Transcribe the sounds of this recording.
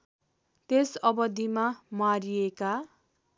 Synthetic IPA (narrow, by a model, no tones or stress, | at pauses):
t̪esʌbʌd̪ʱːimamaɾijeka